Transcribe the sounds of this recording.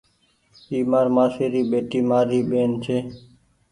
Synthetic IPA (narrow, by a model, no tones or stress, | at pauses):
iːmaːɾmaːseːɾiːɓeːʈiːmaːɾiːɓeːnt͡ʃʰeː